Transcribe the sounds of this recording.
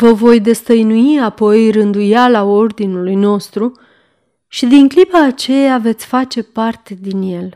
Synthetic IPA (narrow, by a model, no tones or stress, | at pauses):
vəvo̞jd̪e̞st̪əjnuiapo̞jrɨnd̪ujalao̞rd̪inulujno̞st̪ɾu | ʃid̪iŋklipaːt͡ʃe̞jave̞t̪sʲfat͡ʃe̞part̪e̞d̪inje̞l